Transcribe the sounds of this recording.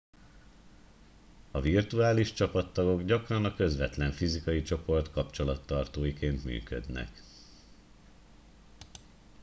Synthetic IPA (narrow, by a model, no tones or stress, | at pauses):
ɒvirt̪uaːliʃt͡ʃɒpɒt̪ːɒɡo̞ɡɟɒkrɒnɒkø̞zʋɛt̪lɛɱfizikɒjit͡ʃo̞po̞rt̪kɒpt͡ʃo̞lɒt̪ːɒrt̪oːjikeːnt̪my̰ːkø̰d̪nɛ̰k